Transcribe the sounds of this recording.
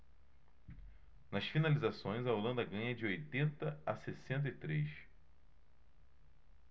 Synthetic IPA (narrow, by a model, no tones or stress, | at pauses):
nɐsfinalizasõj̃zɐolɐ̃nd̪ɐɡɐ̃ɲɐd͡ʒɪojt̪ẽnt̪ɐasesẽnt̪̬ɐit̪ɾejʃ